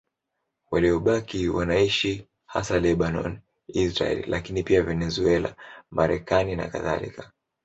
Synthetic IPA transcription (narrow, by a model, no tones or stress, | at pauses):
waliɔɓakiwanaiʃi | ha̰salɛɓanɔ̰n | isɾa̰ɛ̰llʔakinipiavɛnɛzuɛla̰mʔaɾɛkanina̰ka̰ða̰lḭka